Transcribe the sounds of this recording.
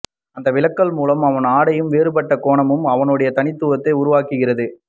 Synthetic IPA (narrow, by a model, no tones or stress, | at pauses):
ɐnd̪ɐʋɪɭɐkːɐɭmuːlɐmɐʋɐnaːɽɐjɯmʋeːɾɯpɐʈːɐkoːɳɐmɯmɐʋɐnɯɽɐjɐt̪ɐnɪt̪ːɯʋɐt̪ːɐɪʊɾʊʋaːkɯɣɪrɐðɯ